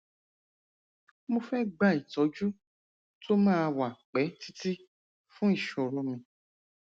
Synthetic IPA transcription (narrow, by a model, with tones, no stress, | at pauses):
mũ˧fɛ˦ɡ͡ba˦˨i˨tɔ˨˦d͡ʒu˦ | tʰo˦mãː˦˧wa˨k͡pɛ˨˦ti̥˦ti˦ | fũ˦i˦˨ʃo˨ɾo˧mĩ˧